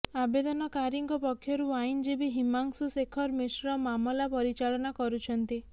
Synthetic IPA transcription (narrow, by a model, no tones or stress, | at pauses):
abed̪ɔnɔkaɾiŋɡɔpɔkʰːjɔɾuajnd͡ʒibiɦimaŋsusekʰɔɾmisɾɔmamɔlapɔɾit͡ʃalɔnakɔɾut͡ʃʰɔnt̪i